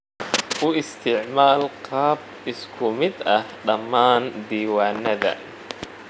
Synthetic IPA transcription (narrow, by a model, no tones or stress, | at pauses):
ʊɪst̪ʰɪʕmaːlqɑːb̚ | ɪskʰʊmɪd̪ɐhɖɐmːaːnd̪iːwaːnɐðɐ̰